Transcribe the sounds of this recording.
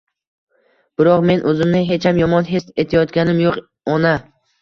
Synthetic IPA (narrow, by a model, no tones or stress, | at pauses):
b̥ɪɾɒqme̞nʔɵzɪmnɪɦe̞t͡ʃʰhamjɒmɒnɦest̪e̞t̪ʰɪjɒt̪ɡʲanɪmjoq | ɒna